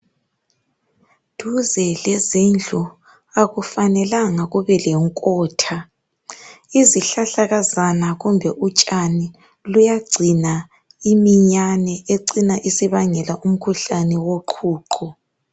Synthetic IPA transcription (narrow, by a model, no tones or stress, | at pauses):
d̥ʱuzɛlɛzind͡ɮʱu | aɣufanɛlaŋaɣuβɛlɛŋkʼɔːtʰa | iziɬaɬaɣazanaɣumbʱɛʔut͡ʃʼani | lujaɡ͡ǀʱina | imiɲanɛeǀinaʔisiβaŋɛlaʔum̩kʰuɬanɛwoǃʰuːǃʰɔ